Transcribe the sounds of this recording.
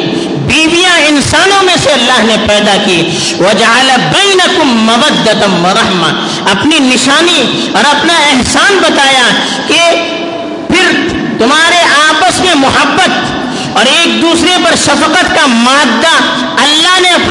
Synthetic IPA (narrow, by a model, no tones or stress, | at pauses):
biːbijãɪnsaːnõmẽseɐlːaːɦnepɛːd̪aki | wɐd͡ʒɐʕalbɐːnɐkʊmːɐbɐd̪ːɐt̪ɐwɐɾˤɐhmɐ̰ | ɐpninɪʃaːni | ɔːɾɐpnaɛɦsaːnbɐt̪aːja | ke | pʰɪɾ | t̪ʊmɦaːɾeʔaːpəsmẽmʊɦɐbːət̪ | ɔːɾeːk̚d̪uːsɾepɐɾʃɐfəqət̪kamaːd̪ːa | ɐlːaːɦneɐp